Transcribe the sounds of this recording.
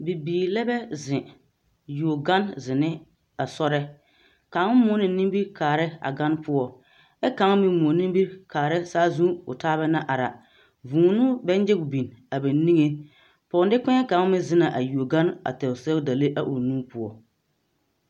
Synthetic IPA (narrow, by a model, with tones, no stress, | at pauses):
bi˨biː˨lɛ˦bɛ˦zɪ˨ | ju˨o˨ɡa˦nzɪ˨nɪ˦ | a˨sɔ˦ɾɛ˦ | ka˨˦ŋ˦mʊ˦nɪ˨nĩ˦mbi˦ɾkaː˨ɾɪ˦a̰˨ɡa˦npʊ˦ɔ˨ | ɛ˦ka˨˦ŋ˦mɪ˦mo˨nĩ˦mbi˦ɾkaː˨ɾɪ˦saː˦zũ˦ʊ̰˨taː˦bɛ˦na˦ʔa˨ɾa̰˨ | vũː˨nʊ˦bɛ˦n˦d͡ʒɪ˦ɡʊ˨bi˨na˨bɛ˨˦ni˦ŋe˦ | pɔ˨n˦dɪ˦kɛ˦ka˨˦mɪ˦zɪ˦na˨ʔa˨ju˨o˨ɡa˦na̰˨tɛ˨ʊ˨sɛ˦ʊ˦da˨le˦ʔa˦ʔo˨nuː˦pʊ˦ɔ˨